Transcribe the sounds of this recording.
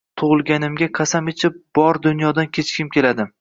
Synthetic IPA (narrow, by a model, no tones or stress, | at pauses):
t̪ʰʊʁɨlˠɡʲanɪmɡʲaqʰɑsamɪt͡ʃʰɪp̚b̥ɒɾd̪ʊnjɒd̪ankʲʰe̞t͡ʃkʲɪmkʲʰe̞lad̪ɪ